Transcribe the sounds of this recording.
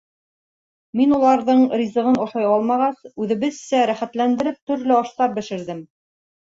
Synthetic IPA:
minulˠɑɾðɤɴɾʲizɤ̆ʁɤnŏʃɑjɑlˠmɑʁɑsʉðɘ̆βɘðsæɾæχæt̪lænd̪ɘ̆ɾɘp̚t̪ɵ̆ɾlɘɑʃt̪ɑp̚bɘ̆ʃɘ̆ɾðɘm

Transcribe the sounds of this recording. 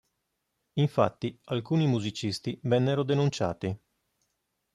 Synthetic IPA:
iɱfat̪ːialkuːnimuzit͡ʃist̪ivɛnːeɾod̪enunt͡ʃa̰ːt̪i

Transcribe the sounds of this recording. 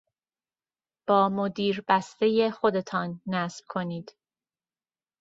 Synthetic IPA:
b̥ɒːmo̞d̪iːɾbæst̪e̞je̞xo̞d̪e̞t̪ʰɒːnːæsb̥̚kʰo̞niːd̪̥

